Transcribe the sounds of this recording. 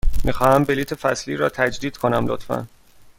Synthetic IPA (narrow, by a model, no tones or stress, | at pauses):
mixɒːhæmbe̞liːt̪ʰefæsliːɾɒːt̪ʰæd͡ʒd̪iːd̪̥kʰo̞næmlo̰t̪fæ̰n